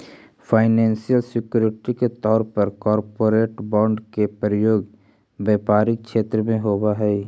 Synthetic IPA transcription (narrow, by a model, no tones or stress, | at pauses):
fʰaːɪnɛ̃ːnsijəlsɪkjuːɾɪʈiket̪ɔːɾpəɾkɔːɾpoːɾeːʈbɔ̃ːɳɖkepɾəjoːɡ | bɛːpaːɾɪk̚ʃeːt̪ɾəmẽɦoːbaɦɛ